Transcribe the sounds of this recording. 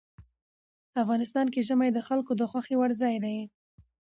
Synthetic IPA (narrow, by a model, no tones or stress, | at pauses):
afɣɑnɪst̪ɑnkeʒəmajd̪əxalkod̪əxwaxewaɽzɑjd̪aj